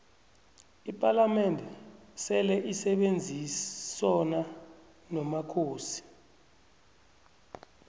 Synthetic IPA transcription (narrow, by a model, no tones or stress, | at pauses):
ipʼalamɛndʱɛsɛlɛʔisɛɓend͡zʱisɔna | nɔmakʰoːsi̥